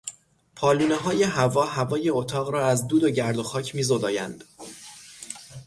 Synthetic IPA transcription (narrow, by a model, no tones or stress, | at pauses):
pʰɒːluːneɦɒːje̞ɦævɒːɦævɒːje̞ot̪ʰɒːɣɾɒːæzd̪uːd̪o̞ɟæɾd̪o̞xɒːcʰmiːzod̪ɒːjæ̰nd̪̥